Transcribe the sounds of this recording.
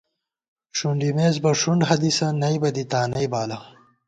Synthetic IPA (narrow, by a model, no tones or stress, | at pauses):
ʂuɳɖimeːzbɐʂuɳɖɦɐd̪isɐnɐjbɐd̪it̪aːnɐjbaːlɐ